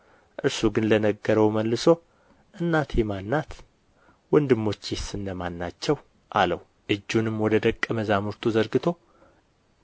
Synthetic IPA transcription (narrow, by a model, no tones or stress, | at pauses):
ʔɨɾsuɡɨnlənəɡːəɾəwməlːɨso̞ | ʔɨnːat̪ʰemanːat̪ | wɔnd̪ɨmːo̞t͡ʃːjesɨnːəmanːat͡ʃːɛw | ʔaləw | ʔɨd͡ʒːunɨmːwɔd̪əd̪əkʼːəməzamuɾt̪ʰuzəɾɡɨt̪ʰo̞